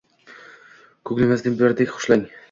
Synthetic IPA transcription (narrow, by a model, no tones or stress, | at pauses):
kʰɵɡʲlɪmazd̪ɪbjaɾd̪ekʲχʊ̥ʃlaŋ